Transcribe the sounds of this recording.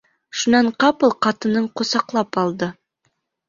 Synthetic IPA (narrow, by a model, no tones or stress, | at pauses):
ʃunɑɴqɑpɤlˠqɑt̪ɤ̆nɤɴqŏsɑqlˠɑpɑlˠd̪ɤ